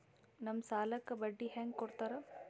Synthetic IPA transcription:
nɐmsaːlɐkːɐbɐɖːiɦaːŋɡkɔɾt̪aːɾɐ

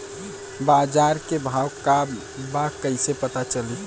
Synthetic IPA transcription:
baːd͡ʒaːɾkebʱaːwka | bakəɪsepət̪at͡ʃəli

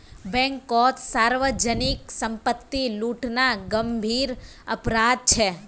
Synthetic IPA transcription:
bɛ̃ŋkːɔt̪saɾʋəd͡ʒəniksəmpət̪ːiluʈnaɡəmbʱiɾ | ə̰pɾad̪̚t͡ʃʰe

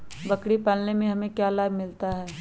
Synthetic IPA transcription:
bɐkɽipaːlnemẽɦɐmẽkjaːlaːbmɪlt̪aɦɛː

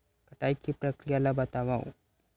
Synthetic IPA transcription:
kɐʈajkipɾəkɾijalabɐt̪aʋaw

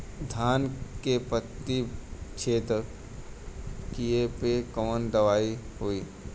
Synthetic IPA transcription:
d̪ʱaːnkepət̪ːikʃʰeːt̪ɾə | kiepekɔːnd̪ɐʋaːi | hoiː

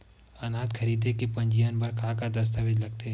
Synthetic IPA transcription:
ɐnaːt̪kʰɐɾiːd̪ekepɐ̃ɲd͡ʒijanbɐɾkʰaːkad̪ɐst̪aʋɪd͡ʒlɐɡ̚t̪e

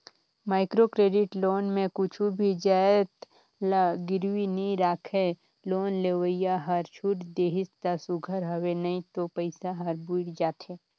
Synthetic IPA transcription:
maːɪkɾokɾeːɖɪʈloːnmẽkʊt͡ʃʰubʱid͡ʒaːt̪ | laɡɪɾwinĩɾaːkʰe | loːnleːwəɪjaɦɐɾt͡ʃʰuʈd̪eːɦɪst̪asʊɡʱəɾɦəwenɐĩt̪opəɪsaɦɐɾbuɽd͡ʒaːt̪eː

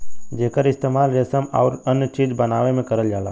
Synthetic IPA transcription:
d͡ʒeːkəɾɪst̪eːmaːlɾesəma̰ːɾənjət͡ʃiːd͡ʒbənaːʋemẽkəɾəld͡ʒaːla̰ː

